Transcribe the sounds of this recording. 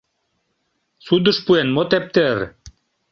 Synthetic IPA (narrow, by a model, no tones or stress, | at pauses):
sud̪ə̆ʃpuenmot̪ep̚t̪eɾ